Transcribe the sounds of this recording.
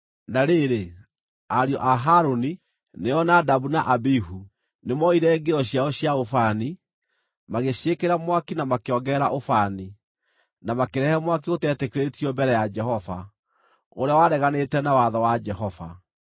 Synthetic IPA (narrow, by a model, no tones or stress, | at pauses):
naɾeɾe | aɾjɔʔaɦaɾoni | neɔnadabunaʔabiɦu | nemɔiɾɛŋɡeɔɕiaɔɕjaofani | maɣeɕiekeɾamwakinamakeɔɡɛɾaʔofani | namakeɾɛhɛmwak̬iotɛtekeɾetiɔmbɛɾɛjad͡ʒɛhɔva̰ | oɾeawaɾɛɣanetɛnawaðɔwad͡ʒɛɦɔva̰